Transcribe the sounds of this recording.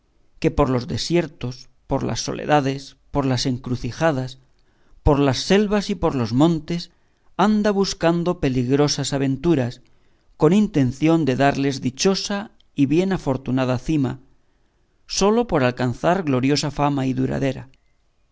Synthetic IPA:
ke̞po̞ɾlo̞zðe̞sje̞ɾt̪o̞s | po̞ɾla̰sːo̞̰lḛðaðe̞s | po̞ɾlase̞ŋkɾuθixaðas | po̞ɾlasːe̞lβasipo̞ɾlo̞zmõ̞nt̪e̞s | and̪aβuskand̪o̞pe̞liɣɾo̞sasaβ̞ẽ̞nt̪uɾas | ko̞nint̪e̞nθjo̞nd̪e̞ðaɾle̞zðit͡ʃo̞sa | iβje̞nafo̞ɾt̪unað̞aθima̰ | so̞lo̞po̞ɾalkanθaɾɣlo̞ɾjo̞safamaiðuɾa̰ðe̞ɾa̰

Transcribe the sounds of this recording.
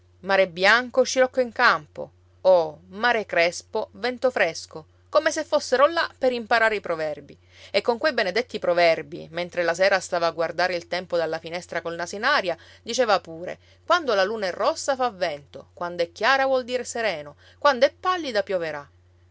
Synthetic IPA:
maːɾebːjaŋkot͡ʃiɾɔkːoiŋkampo̰ | omaːɾekɾɛspovɛnt̪ofɾɛsko | komesefːosːeɾolapːeɾimpaɾaːɾeipɾovɛrbi | ekːoŋkwejbened̪et̪ːipɾovɛrbḭment̪ɾelasɛːɾast̪aːvaːɡward̪aːɾeilt̪ɛmpod̪alːafinɛst̪ɾakolnasinaːɾja | d̪it͡ʃeːvapuːɾḛ | kwand̪olaluːnaɛrːɔsːafavːɛnt̪okwand̪oɛkːjaːɾavwɔld̪iːɾeseɾɛːno | kwand̪oɛpːalːid̪apjoveɾa

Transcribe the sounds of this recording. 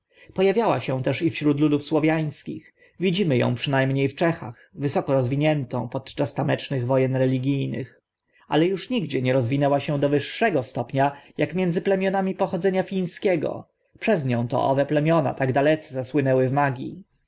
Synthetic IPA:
pɔjavʲjawaɕɛw̃t̪ɛʂifɕɾut̪lud̪ufswɔvʲjaj̃skʲḭx | vʲid͡ʑimɘjɔ̰̃w̃pʂɘnajmɲejft͡ʂɛxa̰xvɘsɔkɔɾɔzvʲiɲɛnt̪ɔ̃w̃pɔt̪t͡ʂast̪amɛt͡ʂnɘɣvɔjɛnɾɛlʲiɡʲijnɘ̰x | a̰lɛjuʂɲiɡd͡ʑɛɲɛɾɔzvʲinɛwaɕɛ̃d̪ɔvɘʂːɛɡɔst̪ɔpɲajʔakmʲjɛndzɘplɛmʲjɔnamʲipɔxɔd̪zɛɲafʲĩj̃skʲɛɡɔ̰ | pʂɛzɲɔ̃w̃t̪ɔ̰ʔɔ̰vɛplɛmʲjɔna̰t̪aɡd̪alɛt̪sɛzaswɘnɛwɘvmaɡʲḭ

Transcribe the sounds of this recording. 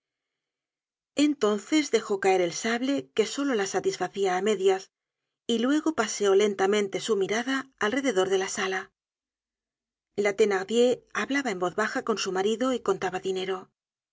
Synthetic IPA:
e̞nt̪o̞nθe̞zðe̞xo̞kae̞ɾe̞lsaβle̞ke̞so̞lo̞lasat̪isfaθiaːme̞ðjas | ilwe̞ɣo̞paseo̞le̞nt̪amẽnt̪e̞sumiɾaðaːlre̞ðe̞ðo̞ɾðe̞lasala | lat̪e̞naʁdje̞aβlaβae̞mbo̞ðβaxako̞nsumaɾiðo̞iko̞nt̪aβaðine̞ɾo̞

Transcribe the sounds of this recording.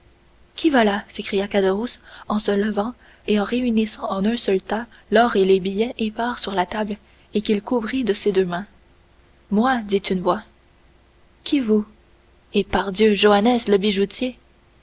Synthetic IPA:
kʲʰivalasekχijakad̪əʁusɑ̃sələvɑ̃ | eɑ̃ʁeynisɑ̃ɑ̃nœ̃sœlt̪alɔʁelebijɛʔepaːʁsyʁlat̪abl | ekʲilkuvʁid̪əsed̪ømɛ̃ | mwad̪it̪ynvwa | kʲʰivu | epaʁd̪jøʒoanɛsləbiʒut̪ʰje

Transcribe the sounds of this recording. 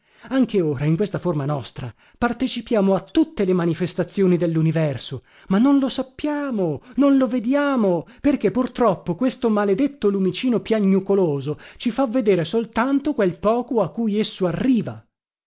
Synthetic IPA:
aŋkʰeoːɾaiŋkwest̪aformanɔ̰st̪ɾa̰ | part̪et͡ʃipjaːmoat̪ːut̪ːelemanifest̪at̪sːjoːnid̪elːunivɛrso | manːonlosapːjaːmononloved̪jaːmoperk̟epːurt̪ɾɔpːokwest̪omaled̪et̪ːolumit͡ʃiːnopjaɲːukoloːzot͡ʃifavːed̪eːɾesolt̪ant̪okwelpɔːkoakːujesːoarːiːva̰

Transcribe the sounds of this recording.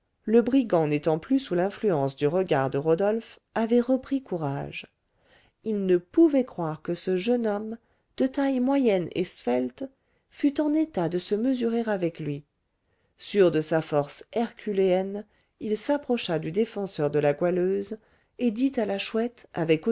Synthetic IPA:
ləbʁiɡɑ̃net̪ɑ̃plysulɛ̃flyɑ̃sd̪yʁəɡaʁd̪əʁɔd̪ɔlf | avɛʁəpχikuʁa̰ʒ | ilnəpuvɛkχwaʁkəsəʒənɔm | d̪̥ət̪ajmwajɛnḛsfɛlt̪ | fyt̪ɑ̃net̪ad̪əsəməzyʁeʁavɛklɥi | syʁd̪əsafɔʁsɛʁkʲʰyleɛn | ilsapχɔʃad̪yd̪efɑ̃sœʁd̪əlaɡwaløz | ed̪it̪alaʃwɛt̪a̰vɛko

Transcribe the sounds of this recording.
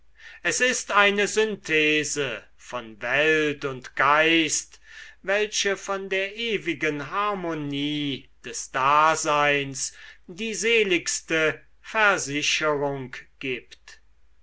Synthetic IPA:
ʔɛsɪstaɪnəzʏntʰeːzə | fɔnvɛltʊntɡ̥aɪstvɛlʃəfɔndeːɐʔeːvɪɡənɦaɐmoniːd̥ɛsd̥aːzaɪnsdiːzeːlɪkstə | fɛɐzɪʃəʁʊŋkɡ̥iːpt

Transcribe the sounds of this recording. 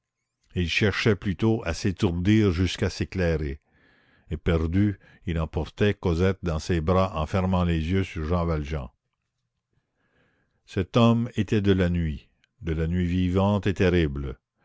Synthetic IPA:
ilʃɛʁʃɛplyt̪oʔaset̪uʁd̪iːʁʒyskaseklɛʁe | epɛʁd̪y | ilɑ̃pɔʁt̪ɛkɔzɛt̪̚d̪ɑ̃sebʁaʔɑ̃fɛʁmɑ̃lezjøsyʁʒɑ̃valʒɑ̰̃ | sɛt̪ɔmet̪ɛd̪əlanɥi | d̪əlanɥivivɑ̃t̪et̪ɛʁibl

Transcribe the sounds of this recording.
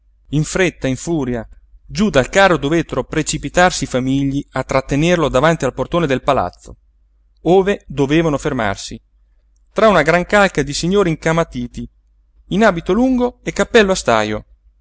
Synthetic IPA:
iɱfɾet̪ːaiɱfuːɾjad͡ʒud̪alkaːrod̪ovet̪ːeɾopɾet͡ʃipit̪arsifamiʎːiat̪ːɾat̪ːenerlod̪avant̪ialport̪oːned̪elpala̰t̪sːo̰ | oːved̪oveːvanoferma̰rsi | t̪ɾaunaɡɾaŋkalkad̪isiɲːoːɾiŋkamat̪iːt̪iː | naːbit̪oluŋɡoekːapːɛlːoast̪a̰ːjo

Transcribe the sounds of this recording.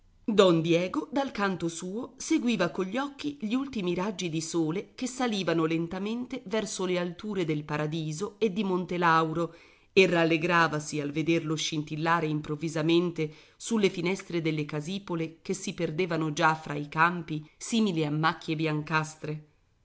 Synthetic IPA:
d̪ɔnd̪jɛːɡod̪alkant̪osuːoseɡwiːvakoʎːɔkːiʎiult̪imiɾad͡ʒːid̪isoːlek̟esːaliːvanolent̪ament̪evɛrsolealt̪uːɾed̪elpaɾad̪iːzoed̪ːimont̪elawɾo | eralːeɡɾaːvasialved̪erloʃint̪ilːaːɾeimpɾovːizament̪e | sulːefinɛst̪ɾed̪elːekaziːpolekesiperd̪eːvanod͡ʒafɾʔaikampisiːmiliamːakːjebjaŋkast̪ɾe

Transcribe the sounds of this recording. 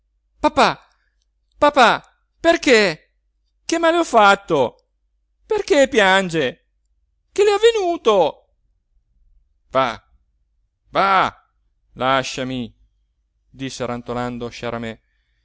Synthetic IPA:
papa | papa | perke | k̟emaːleɔfːat̪ːo | perkepjand͡ʒe | k̟eleavːenuːt̪o | va | va | laʃːami | d̪isːeɾant̪oland̪oʃaɾamɛ

